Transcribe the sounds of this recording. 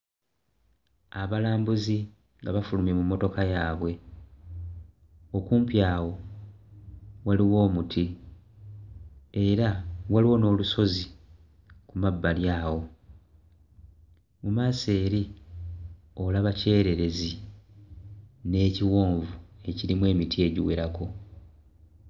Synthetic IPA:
aβalaːmbuzi | ŋɡaβafulumemumːo̞to̞kajaːβwe̞ | o̞kuːmpjaːwo̞ | waliwo̞ːmutʰi | e̞ɾawaliwo̞no̞ːluso̞zi | kumabːaljaːwo̞ | mumaːse̞ːɾi | o̞laβace̞ːɾe̞ɾe̞zi | ne̞ːciwo̞ːɱvue̞ciɾimwe̞ːmitʰie̞ːɟiweɾakʰo̞

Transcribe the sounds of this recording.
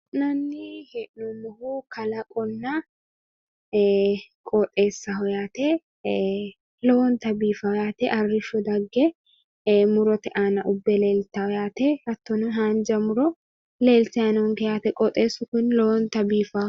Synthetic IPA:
nɐnːɪhɛʔnɔmɔhukɐlɐkʼɔnːa | kʼɔt̪ʼeːsːɐɦɔjaːt̪e | lɔwɔnt̪ɐbiːfɐɔjaːt̪ɛʔɐrːɪʃɔd̪ɐɡːɛ | mʊɾɔt̪ɛʔaːnɐʔʊbːɛleːlt̪ɐhɔjaːt̪ɛɐt̪ːɔnɦaːnd͡ʒɐmʊɾɔ | le̞ːltɛanʊŋkɛjaːt̪ɛkʼɔt̪ʼeːsːʊkʊnlɔwɔnt̪ɐbiːfɐ

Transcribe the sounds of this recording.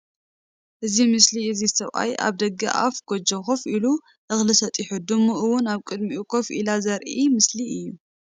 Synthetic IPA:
ʔɨzimɨsliɨzisɐβʔa̰jʔa̰βd̪ɐɡɐ̰ʔa̰fɡ̥od͡ʒɐxofilu | ʔɨxlɨsɐt̪ʼɪħɨd̪ɨmuʔɨwʊnaβkʼɨd̪miukʰofʔḭlazɐɾʔimɨsliɨjːu

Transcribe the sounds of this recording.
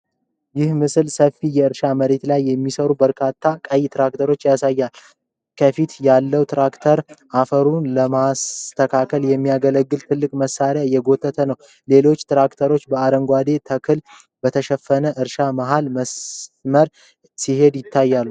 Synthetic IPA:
jɪhmɨsɨlsəfijɛɨɾʃaməɾe̞t̪lajːɛmːisəɾubəɾkʰat̪ʰːakʼəjt̪ɾak̚t̪ʰəɾo̞t͡ʃːjasajːal | kʰəfit̪jalːəwt̪ɾakt̪ʰəɾʔafəɾunləmast̪ʰəkʰakʰəljɛmːijaɡələɡːɨlt̪ʰɨlːɨkʼməsːaɾjajɛɡo̞t̪ʰːət̪ʰənəw | le̞lo̞t͡ʃːt̪ɾakt̪ʰəɾo̞t͡ʃːbəaɾəŋɡʷad̪e̞t̪ʰəkʰɨl | b̥ət̪ʰəʃɛfːənəʔɨɾʃamaɦalməsməɾ | sihe̞d̪jɪt̪ʰːajːalːu

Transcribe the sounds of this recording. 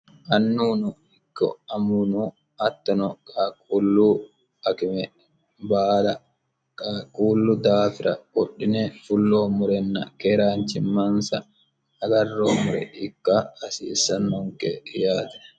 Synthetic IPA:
ʔɐnːuːnʊ | ɪkːɔ̰ɐmunu | ɐt̪ːɔnɔkʼaːkʼuːlːu | ɐkɪmɛ | baːlɐ | kʼakʼuːlːʊd̪aːfɪɾɐ̰kɔɗːɪnɛfʊlːoːmʊɾɛnːɐkɛɾaːnt͡ʃɪmːɐnsɐː | ɡɐrːoːmʊɾɛ̰ɪkːaɐsḭːsːɐnːɔŋkɛ̰jaːt̪ɛ̥

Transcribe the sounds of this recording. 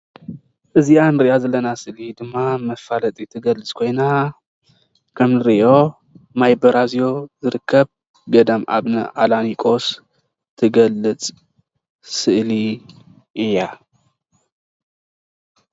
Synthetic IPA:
ʔɨzianɾɨʔazɐlɐnasɨʔlid̪ɨmːamɐfalɐt̪ʼit̪ʰɨɡɐlːɨt͡sʼkʰojna | kʰɐmnɨɾɨʔo̞ | majbɐɾʔazijo̞zɨɾɨkʰːɐβ | ɡɐd̪ɐmʔa̰βnɨ̰ʕalanikʼos | t̪ʰɨɡɐlːɨt͡sʼ | sɨʔli | ʔɨjːa

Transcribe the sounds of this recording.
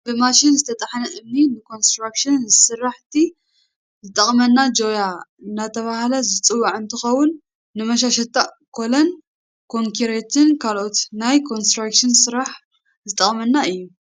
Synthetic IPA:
bɨmaʃɪnzɨt̪ʰɐt̪ʼɐħnɐʔɨmninɨkʰo̞nst̪ɾakʃɨnzsɨraħt̪ʰi | zɨt̪ʼɐχʼmɐnːad͡ʒo̞jaɨnːat̪ʰɐβahlɐzɨt͡sʼɨwːaʕɨnt̪ʰɨxɐwːʊnː | ɨmɐʃ̬aʃɐt̪ʼːaʔ | kʰo̞lɐn | kʰo̞ŋkʰiɾet̪ʰɪnkʰalʔot̪najkʰo̞nst̪ɾakʃɪnsɨɾaħ | zɨt̪ʼɐχʼmɐnːaɨjːu

